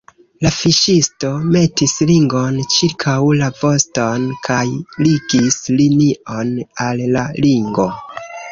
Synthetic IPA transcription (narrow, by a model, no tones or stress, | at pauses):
lafiʃisto̞me̞tisliŋɡo̞nt͡ʃiɾkʰawlavo̞sto̞nkʰajliɡisliniʔo̞nalːaliŋɡo̞